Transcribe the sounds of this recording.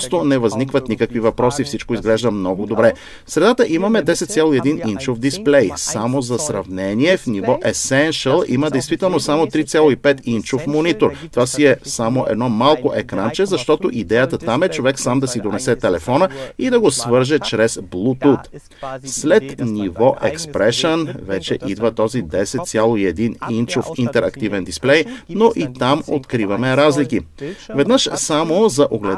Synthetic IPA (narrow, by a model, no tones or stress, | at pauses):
st̪onɛvɐznikvɐt̪nikəkvivɐpɾɔsifsit͡ʃkoizɡlɛʒd̪ɐmnɔɡod̪obɾɛ | fsɾɛd̪at̪əʔimɐmɛd̪ɛsɛt̪t̪sʲalˠoiɛd̪inint͡ʃofd̪isplɛjsamozɐsɾɐvnɛniɛfnivɔʔɛsɛnʃəlˠḭməd̪ɛjst̪vit̪ɛlˠnosamot̪ɾit̪sʲjalˠoipɛt̪int͡ʃofmonit̪oɾt̪ovasiɛsamoʔɛ̰d̪nɔmalˠkoʔɛkɾant͡ʃɛzɐʃt̪ɔt̪oʔid̪ɛjət̪ət̪amɛt͡ʃovɛksamd̪ɐsid̪onɛsɛt̪ɛlɛfɔnəid̪ɐɡosvɤɾʒɛt͡ʃɾɛzblˠut̪ut̪ | slɛt̪nivɔʔɛ̰kspɾɛʃənvɛt͡ʃɛʔid̪vət̪ɔzid̪ɛsɛt̪t̪sʲjalˠoiɛd̪inint͡ʃofint̪ɛɾʔɐkt̪ivɛnd̪isplɛjnoʔit̪amo̰t̪kɾivɐmɛɾazlikivɛd̪nəʃsamozɐʔoɡlɛ